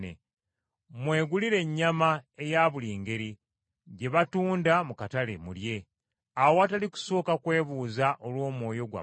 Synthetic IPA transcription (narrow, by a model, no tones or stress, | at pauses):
ḛ | mwe̞ːɡuliɾe̞ɲːamae̞jaːβuliːŋɡe̞ɾi | ɟe̞βatuːndamukatale̞̰mulje̞ | awoataliku̥so̞ːkakwe̞ːβuːzaʔolwo̞ːmwo̞ːjo̞ɡwa̰